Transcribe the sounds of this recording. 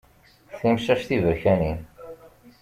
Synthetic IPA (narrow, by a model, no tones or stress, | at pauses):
θimʃæʃθivəçænin